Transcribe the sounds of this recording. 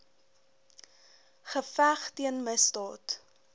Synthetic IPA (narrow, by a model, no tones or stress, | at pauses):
χəfæχtiənməsdɑːt